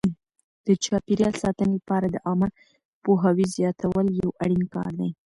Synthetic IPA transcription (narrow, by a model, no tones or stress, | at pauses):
d̪̥ət͡ʃɑpeɾjɑlsɑt̪ənelapɑɾad̪əʔɑmə | poɦawizjɑt̪ʰawəljawaɽinkɑ̰ɾd̪aj